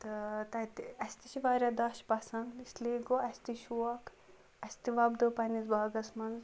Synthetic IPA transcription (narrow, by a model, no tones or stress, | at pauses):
t̪ɨt̪ɐt̪iɐsʲt̪iʃiʋaːɾʲad̪ɐʃpɐsɐnd̪isliːɡoɐsʲt̪iʃuɐk | ɐsʲt̪iʋɐbd̪opɐnizbaːɡɐsmɐnz